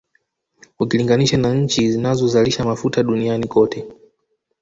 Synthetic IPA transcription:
ukiliŋɡaniʃanaɲ̩t͡ʃizinazɔzaliʃamafutaɗunianikɔtɛ

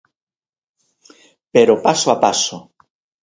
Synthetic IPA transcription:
peɾopasoapaso

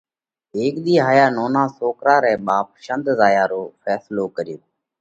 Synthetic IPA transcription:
eːkɗ̪iːɦaːjaːnoːnãːsoːkɾaːɾɛ̃ːɓaːp̚ʃənd̪zaːjaːɾoːfʰɛːsloːkəɾɪjoː

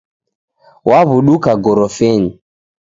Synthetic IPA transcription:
waβuɗukaɡɔɾɔfɛɲi

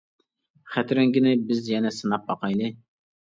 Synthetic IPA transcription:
χæt̪ɾɛŋɡʲɪnɪbɪzjɛnɛsɨnɑp̚bɑqʰɑjlˠɨ

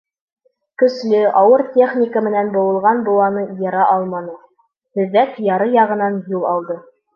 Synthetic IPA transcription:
kɵ̆slɘɑwɤɾtʲeχnʲikəmɘ̆nænbŏwɤ̆lˠʁɑnbŏw̪ˠɑnɤjɑɾɑʔɑlˠmɑnɤ | hɵ̆ðːækjɑɾɤjɑʁɤ̆nɑnjulˠɑlˠd̪ɤ

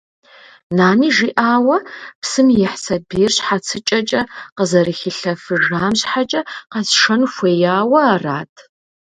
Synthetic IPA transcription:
naːniːʒiːʔaːwɐpsɨmjɛħsɐbiːrɕħat͡sʰɨt͡ʃʼɐt͡ʃʼɐqəzɐɾɨxiɬɐfɨʐaːmɕħat͡ʃʼɐqɐsʂɐnxʷeːjaːwɐːraːtʰ

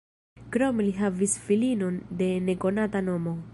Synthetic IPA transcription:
kɾomliɦavisfilino̞nde̞ne̞ko̞natano̞mo̞

